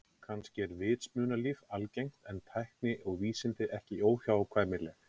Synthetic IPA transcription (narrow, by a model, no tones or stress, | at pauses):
kʰanscɪɛɾvɪːt̪smʏːnaliːvalcejŋ̥t̪ɛnt̪ʰajhknɪʔɔɣviːsɪnt̪ɪʔɛhcɪoːwçaːwakʰvaːðmɪlɛːx